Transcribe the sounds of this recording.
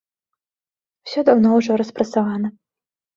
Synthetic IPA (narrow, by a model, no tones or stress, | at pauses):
wsʲɔd̪awnɔwʐɔɾɐspɾɐt̪savanɐ